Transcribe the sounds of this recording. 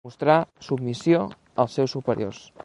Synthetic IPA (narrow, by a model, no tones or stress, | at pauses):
ust̪ɾasubmisjo | əlˠsːɛwsːupəɾḭo̰rs